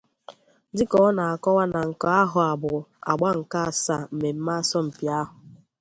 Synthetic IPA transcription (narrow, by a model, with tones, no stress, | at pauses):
dɪ˦kɔ˦ɔ˦na˨a˨kɔ˦wa˦na˨ŋ̩˨kɔ˦a˦ɦʊ˨a˨bʊ˨ɾʊ˨a̰˨ɡ͡ba˦ŋ̩˨ka˦a˨sa˦˨m̩˨me˨m̩˦ma˦sɔ˦m̩˨pi˨a˦ɦʊ˨